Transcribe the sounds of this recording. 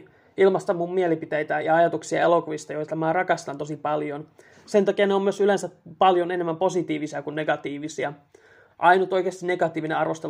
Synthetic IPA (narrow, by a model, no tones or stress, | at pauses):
ilmɑst̪ɑmːummielipit̪ejt̪æjɑɑjɑt̪uksiɑ̰elo̞kuʋist̪ɑjoit̪ɑmæːrɑkɑst̪ɑnt̪osipɑljon | se̞nt̪ɑkiɑneomyøsylensæpɑljo̞ne̞nemːæmpo̞sit̪iːʋisiɑkunːe̞ɡɑt̪iːʋisiɑ | ʔɑjnut̪ojkeːst̪ine̞ɡ̥ɑt̪iːʋineɑrʋo̞st̪e